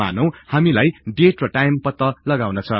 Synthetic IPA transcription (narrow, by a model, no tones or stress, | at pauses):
a̰nʌw̃hamilajɖeʈrʌʈajmpʌt̪ːʌlʌɡawnʌt͡sʰʌ